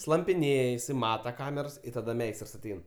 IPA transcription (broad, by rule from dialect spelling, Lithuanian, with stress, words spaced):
slˠɐmʲpʲɪˈnʲeːj ɪˈsɐɪ ˈmɑːtɐ ˈkɑːmʲɛrs tɐˈdɐ ˈmʲɛɪstrs ɐˈtʲɛɪn